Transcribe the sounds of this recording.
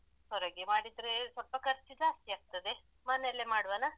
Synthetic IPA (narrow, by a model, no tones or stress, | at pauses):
hɔɾɐɡemaːɽid̪ɾesɔlpɐkɐɾt͡ʃːid͡ʒaːst̪iaːɡ̚t̪ɐd̪e̞ | mɐnelːemaːɽʋana